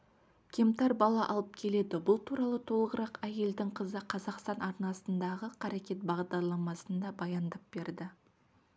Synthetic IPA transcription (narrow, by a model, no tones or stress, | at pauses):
kʲʰe̞mt̪ɑɾbɑlˠɑʔɑlˠəp̚kʲʰe̞le̞d̪ɪbʊlˠt̪ʰuɾɑlˠət̪ʰo̞lˠəʁəɾɑqæje̞ld̪ɪŋqʰəzəqʰɑzɑqst̪ɑnɑɾnɑsənd̪ɑʁəqʰɑɾekʲe̞t̪̚bɑʁd̪ɑɾlˠɑmɑsənd̪ɑbɑjɑnd̪əp̚b̥e̞ɾd̪ɪ